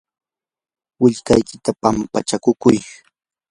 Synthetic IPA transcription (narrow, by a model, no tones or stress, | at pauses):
wɪʎkajkɪt̪apampat͡ʃakʊkʊj